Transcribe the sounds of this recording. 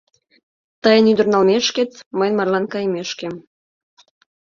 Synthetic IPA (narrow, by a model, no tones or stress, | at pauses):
t̪əjənyd̪ə̆rnɑlmeʃket͡sməjnmɑrlɑnkɑjmeʃkem